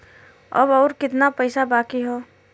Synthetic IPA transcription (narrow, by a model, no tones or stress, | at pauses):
ɐ̰bɔːɾkɪt̪napəɪsabaːkiɦoː